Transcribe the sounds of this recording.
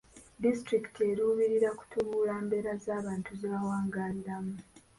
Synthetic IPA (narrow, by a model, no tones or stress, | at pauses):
distɾiki̥tʰie̞ɾuːβiɾiɾaku̥tʰuβuːlaːmbe̞ɾazaːβaːntuziβawaːŋɡaːliɾamu